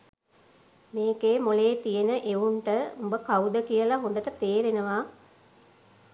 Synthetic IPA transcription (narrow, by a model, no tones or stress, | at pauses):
meːkeːmoleːt̪ijenəʔeuɳʈəumbəkaud̪əkijəlaɦond̪əʈət̪eːɾenəʋaː